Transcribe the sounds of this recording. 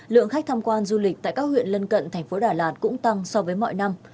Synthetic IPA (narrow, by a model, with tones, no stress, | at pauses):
lɨ̰˧˨əŋxa˦˥k̟̚t̪ʰaː˧mkwaː˧nzu˧li˨˩t̪a̰ː˧˨kaː˦˥k̚hwḭ˧˨ənlə˧nkə̰˧˨nt̪ʰɛ˨˩jŋ̟fo˨˦ɗaː˧˩laː˨˩t̚kʊ̰˧˥ŋ͡mt̪a˧ŋsɔ˧vəː˨˦jmɔ̰˧˨jna˧m